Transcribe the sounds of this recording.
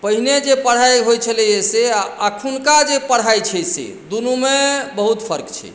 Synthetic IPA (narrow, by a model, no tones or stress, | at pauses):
pəɦined͡ʒepəɽ̤ɦajɦojt͡ʃʰəlɛjeseaakʰunkad͡ʒepəɽ̤ajt͡ʃʰɛsḛ | d̪unumebəɦut̪pʰəɾkt͡ʃʰɛ̰